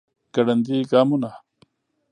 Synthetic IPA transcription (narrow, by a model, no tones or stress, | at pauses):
kɐɽɐnd̪iːɡaːmuna